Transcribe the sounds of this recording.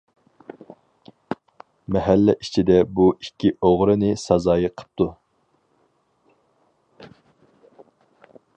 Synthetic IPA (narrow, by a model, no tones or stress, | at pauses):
mɛɦælːɛʔit͡ʃʰid̪ɛbuikʲʰːioʁɾɨnɨsɑzɑːjəqʰə̥p̚t̪ʰu